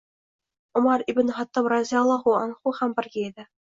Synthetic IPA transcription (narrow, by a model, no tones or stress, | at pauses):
ŭmɑrib̆ʲnχɑt̪ːɤmrɑzʲiɑlːˠɑχuɑnχuχæmbʲɘ̆rɡʲeed̪ʲɘ̆